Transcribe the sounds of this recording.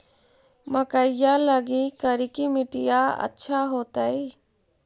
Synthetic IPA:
məkəjaləɡikəɾikimɪʈijaɐ̰tːʃʰaɦoːt̪ai

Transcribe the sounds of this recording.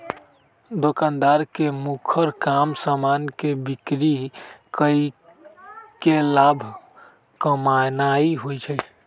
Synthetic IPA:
d̪okãnd̪aɾkemukʰəɾkamsamankebikɾikəi | kelabʱ | kəmanaiɦojt͡ʃʰə

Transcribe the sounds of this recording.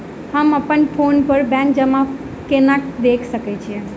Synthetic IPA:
həməpənpʰonpəɾbɛ̃ŋk̚d͡ʒəmã | kenãkd̪ekʰsəket͡ʃʰiẽ

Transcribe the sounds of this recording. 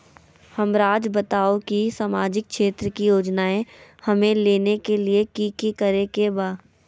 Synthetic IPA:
hɐmɾaːd͡ʒbət̪aːokisaːmaːd͡ʒɪk̚kʃeːt̪ɾəkijoːd͡ʒnaːẽhɐmẽleːnekeliekikikəɾekebaː

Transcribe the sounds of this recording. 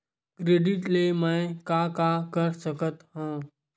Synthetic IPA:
kɾeːɖɪʈlemãẽkaːkakəɾsəkət̪ɦãː

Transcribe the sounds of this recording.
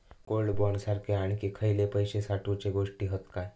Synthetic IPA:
koɭɖbɔɳsaɾkʰeaɽ̃ikikʰəjlepəjɕesaʈʰut͡ɕeɡoʂʈiːɦət̪kaj

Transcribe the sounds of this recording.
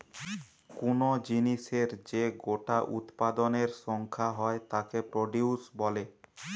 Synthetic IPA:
kunod͡ʑiniʃeɾd͡ʑeɡoʈaʔṵt̪pad̪oneɾʃɔŋkʰaɦɔet̪akepɾoɖiusbɔle

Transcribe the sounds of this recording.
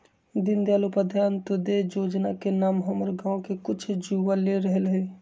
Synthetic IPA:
d̪ɪnd̪jaːlupad̪ʱjaːnt̪od̪ed͡ʒod͡ʒnakenaːmɦəməɾɡãõkekʊt͡ʃʰd͡ʒuʋaleɾəɦəlɦɛ

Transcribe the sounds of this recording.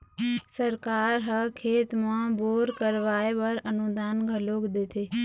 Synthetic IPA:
səɾkaːɾɦəkʰeːt̪mãboːɾkəɾʋaːebəɾənud̪aːnɡʱəloːkd̪eːt̪ʰeː

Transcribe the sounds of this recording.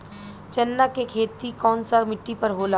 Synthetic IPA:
t͡ʃɐnːakekʰeːt̪ikɔːnsamɪʈːipɐɾɦoːla

